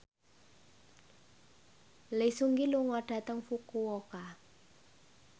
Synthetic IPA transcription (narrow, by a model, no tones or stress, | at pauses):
lesuŋɡiluŋɔɖ̥ä̤t̪əŋfukuoka